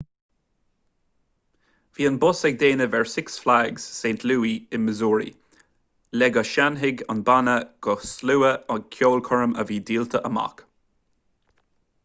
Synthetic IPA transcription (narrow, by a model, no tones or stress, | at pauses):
viːənbʊsɛɡ̚d̪eːnəvɛɹsɪksflaːɡz̥seːnt̪ʰluːiɪnməzuːɹḭ | lɛɡəʃanɦɪɡɔ̰nbanəɡ̥ɔsluːəəkʰjoːlkʰɔɹəmə̰viːdiːlt̪ʰəʔəma̰k